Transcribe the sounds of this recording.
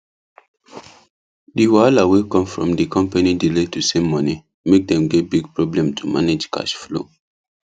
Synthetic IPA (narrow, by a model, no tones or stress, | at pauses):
diwalawekɔ̃mfɹɔ̰̃mdikʰɔ̃mpanidiletusẽmːɔni | mek̚dɛ̃mɡɛt̚biɡ̚pɹɔblɛ̃mtʰumaned͡ʒka̰ʃflo̰